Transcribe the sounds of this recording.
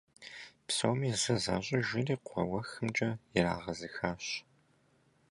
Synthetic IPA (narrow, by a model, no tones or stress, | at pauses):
psowmizɐza̰ːʑʼɐʒɪriːqʷʰɔ̰wɐxɨmd͡ʒʼɐjɪɾa̰ːʁɐzɨxaːɕ